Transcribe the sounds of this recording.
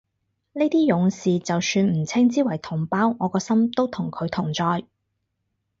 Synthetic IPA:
ne˥t̪iː˥jʊ˨˧ŋsiː˨t͡sɐ˨wsyː˧nm̩˨˩t͡sʰɪ˥ŋt͡siː˥wɐ˨˩jt̪ʰʊ˨˩ŋpaː˥wŋɔː˨˧kɔː˧sɐ˥mt̪o˥wt̪ʰʊ˨˩ŋkʰɵ˨˧ɥt̪ʰʊ˨˩ŋt͡sɔː˧j

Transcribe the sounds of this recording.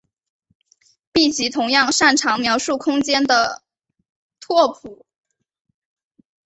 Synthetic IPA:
pi˥˩t͡ɕi˧˥t̪ʰʊ˧˥ŋjɑ˥˧ŋʂa˥˩nʈ͡ʂʰɑ˧˥ŋmjɑ˧˥ʊʂu˥˩kʰʊ˥ŋt͡ɕjɛ˥nd̪ə˨ | t̪ʰwɔ˥˩pʰu˨˩˦

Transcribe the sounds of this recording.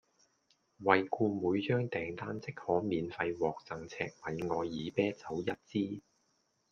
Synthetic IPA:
wɐ˨jkuː˧muː˨˧˥jt͡ʃœː˥ŋt̪ɛː˨ŋt̪aː˥nt͡sɪ˥k̚hɔː˨˥miː˨nfɐ˧jwɔː˨k̚t͡sɐ˨˩ŋt͡sʰɛː˧k̚wɐ˨˧jŋɔː˨˧jːiː˨˧pɛː˥t͡sɐ˨˥wjɐ˥t̚t͡siː˥

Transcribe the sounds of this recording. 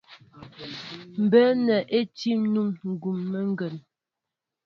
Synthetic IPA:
m̩˨bə˦nɛ˨ʔe˦ti˦mnu˦mŋ̩˨ɡu˨mːə˦ŋ˦ɡə˨n

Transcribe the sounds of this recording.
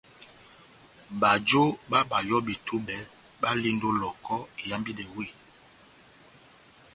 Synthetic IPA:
ba˨d͡ʒo˦ba˦ba˨jɔ˦be˨tʰu˦bɛ˨˦ | ba˦li˦ndo˦lɔ˨kɔ˦˨ja˨˦mbi˦de˨wi˦

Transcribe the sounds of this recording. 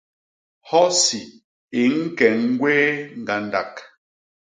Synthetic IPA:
hɔ˦si˨ | i˨ŋ̩˦kɛ˨ŋ̩˦ɡwɛː˦ŋ̩˨ɡa˨n˦da˨k

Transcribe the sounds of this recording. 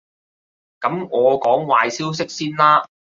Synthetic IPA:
kɐ˨˥mŋɔː˨˧kɔː˨˥ŋwaː˨˧jsiː˥ws̬ɪ˥k̚siː˥nlaː˥

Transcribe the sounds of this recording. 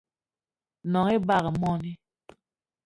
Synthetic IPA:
nɔ˨ŋe˦ba˨ɣə˨mɔ˦ni˦

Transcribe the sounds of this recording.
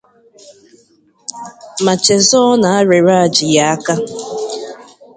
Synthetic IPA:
ma˨t͡ʃe˨zɔ˦na˨a˦ɾe˨ɾa˦a˨d͡ʒɪ˨ja˦a˦ka˦

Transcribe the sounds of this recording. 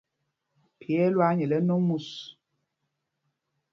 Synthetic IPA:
pʰjɛ˦lwa˦ɲɛ˨lɛ˦no˦mu˨s

